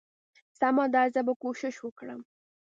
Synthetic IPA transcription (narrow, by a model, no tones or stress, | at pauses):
samɑd̪ɑzəbakoʃɪʃwəkɽə̰m